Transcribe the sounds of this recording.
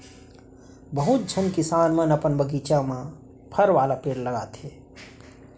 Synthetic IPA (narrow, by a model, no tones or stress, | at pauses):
bəɦut̪̚d͡ʒʱənkɪsaːnmənəpənbəɡiːt͡ʃamã | pʰəɾʋaːlapeːɽləɡaːt̪ɦeː